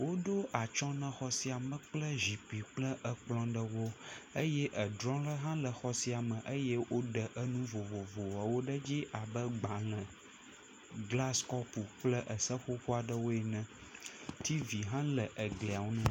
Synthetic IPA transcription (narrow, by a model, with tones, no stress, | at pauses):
wo˦ɖo˦ʔa˨t͡ʃɔ̃˦nə̃˨xɔ˦si˦a˨mə̃˨k͡plə˦zi˨pi˨k͡plə˦ʔə˨k͡plɔ̃˦ɖə˦wo˦ə˦jɛ˦ʔə˨dɾɔ̃˦lə˦ɦã˦lə˨xɔ˦si˦a˨mə̃˨ʔə˦jɛ˦wʔo˦ɖə˨ʔə˦nũ˦vo˨vo˨vo˨wa˨wo˦ɖə˦d͡ʑi˦ʔa˨bə˦ɡ͡bã˨lɛ̃˨ | ɡla˦skɔ˦pu˨k͡plə˦ʔə˨sə˦ɸo˦ɸo˦a˨ɖə˦wo˦ɛ˨nɛ̃˦ | t̪ʰi˦vi˨ɦã˦lə˨ʔə˨ɡlɛ˨a˨wo˦nɛ̃˦